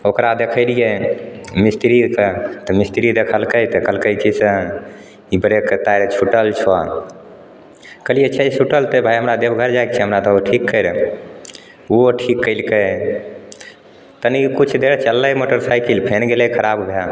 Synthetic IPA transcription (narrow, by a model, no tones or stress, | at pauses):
okɾad̪ekʰəɪlije | mist̪ɾiket̪ɔmist̪iɾid̪ekʰəlkət̪ɔkəlkəjt͡ʃʰisə | ibəɾeket̪ajɾt͡ʃʰuʈəlt͡ʃʰwa | kəlijet͡ʃʰɛt͡ʃʰuʈəlt̪ebʱajɦəmɾad̪ebɡʱəɾd͡ʒajk̚t͡ʃʰɛɦəmɾat̪ɔoʈʰikːəjɾ | uoʈʰikːəɪlkəj | t̪ənikut͡ʃʰd̪eɾt͡ʃəlːəjmoʈəɾsajkilpʰenɡeləkʰəɾabbʱe